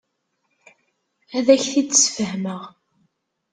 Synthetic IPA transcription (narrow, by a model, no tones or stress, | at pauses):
æðæçθid̪sfəhməʁ